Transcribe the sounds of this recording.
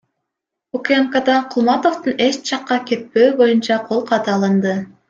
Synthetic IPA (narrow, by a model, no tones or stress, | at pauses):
ukʲeŋkɑd̪ɑqʰulˠmɑt̪o̞ft̪une̞st͡ʃʰɑqːɑkʲe̞t̪̚pø̞ːbo̞junt͡ʃɑqʰo̞lˠqʰɑt̪ɑːlˠɯnd̪ɯ